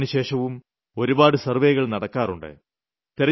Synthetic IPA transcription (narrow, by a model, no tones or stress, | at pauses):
niɕe̞ːʂɐʋum | o̞ɾubaːɽɨsɐrʋe̞ːɣɐɭnɐɽɐkːaːruɳɖɨ̰ | t̪eɾɐ